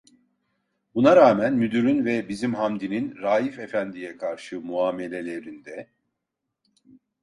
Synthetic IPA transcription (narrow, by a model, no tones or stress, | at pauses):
bunaɾaːmænmyd̪yɾynvɛbizimɦamd̪ininɾaːjife̞fænd̪ijɛkʰaɾʃɯmuaːme̞lʲe̞lʲe̞ɾind̪ɛ